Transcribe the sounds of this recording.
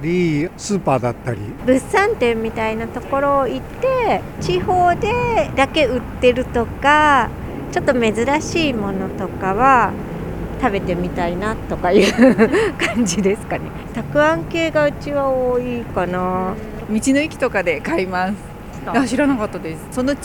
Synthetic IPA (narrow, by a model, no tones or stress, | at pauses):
ɾʲisɨːpaːd̪at̪ːaɾʲibɯ̟sãnt̪ẽ̞mːʲit̪ainat̪o̞ko̞ɾo̞ːit̪ːe̞ | t͡ɕiho̞ːd̪e̞d̪ake̞ɯ̟t̪ːe̞ɾɯ̟t̪o̞ka | t͡ɕo̞t̪ːo̞me̞zɨɾaɕiːmo̞no̞t̪o̞kaβa | t̪abe̞t̪e̞mʲit̪ainat̪o̞kajɯ̟kãɲ̟d͡ʑid̪e̞sɨ̥kane̞ | t̪akɯ̟ãŋke̞ːɡaɯ̟t͡ɕiβaoːiːkana | mʲit͡ɕino̞ikʲi̥t̪o̞kad̪e̞kaimasɨ̥ | aɕiɾanakat̪ːad̪esɨ̥so̞no